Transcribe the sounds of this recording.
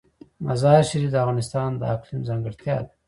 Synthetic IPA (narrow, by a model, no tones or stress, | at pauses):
mazɑːʃaɾifd̪əavɣɑːnɪst̪ɑnd̪ə̰aklimzaŋɡəɽt̪jɑ̰ːd̪e